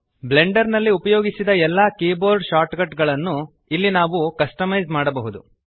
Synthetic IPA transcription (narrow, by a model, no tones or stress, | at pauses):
ble̞ɳɖɐɾnɐlːiupɐjoːɡisid̪ɐɛlːaːkeːboːɾɖʃaːɾʈɡɐʈɡɐɭɐnːu | ilːinaːʋukɐsʈɐmɐjzmaːɽɐbɐɦud̪u